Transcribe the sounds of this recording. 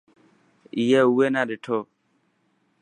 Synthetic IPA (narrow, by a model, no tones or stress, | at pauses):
ijɛwenãdɪtʰɔ